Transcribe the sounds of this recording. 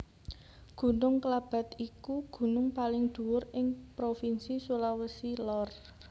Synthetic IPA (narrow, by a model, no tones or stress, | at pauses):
ɡ̥ṳnʊŋkəlab̥a̤t̪ikuɡ̥ṳnʊŋpalɪŋd̪̥ṳwʊrɪŋpɾofinsisulawəsilɔr